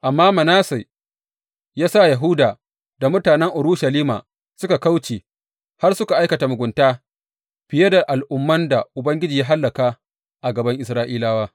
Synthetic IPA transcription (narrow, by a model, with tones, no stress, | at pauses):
ʔa˨mːaː˦mɐ˨naː˦sa˨ | jaː˦sa˦˨jɐ˨ɦʊ˦daː˨ | da˨mʊ˦taː˨nɛ˦ŋʔʊ˨ɾuː˦ʃɐ˨liː˦ma̰ː˨ | sʊ˦ka˨ka˦wt͡ʃeː˨ | ha˦rsʊ˦ka˨ʔa˦jkɐ˨ta˨mʊ˨ɡʷʊ˨ntaː˦ | ɸɪ˨je˦da˨ʔa˨lʔʊ˦mːɐ˦nda˨ʔʊ˨bɐ˦ŋɡʲɪ˦d͡ʒiː˨jaː˦ɦa˦lːɐ˨kaː˦ | ʔa˨ɡɐ˨bɐ˦ŋʔɪ˨s̬ɾaː˦ʔiː˦laː˦waː˦